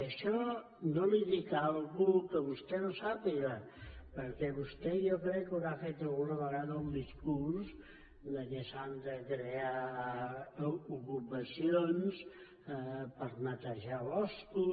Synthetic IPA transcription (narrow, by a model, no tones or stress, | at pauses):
əʃɔ | noliðikalˠɣukəβust̪ɛnosapiɣə | pəɾkɛβust̪ɛjokɾɛkːuɾafet̪əlˠɣunəβəɣaðəumd̪iskuɾs | ləkesand̪əkɾea | ukupəsions | pəɾnət̪əʒaβɔsku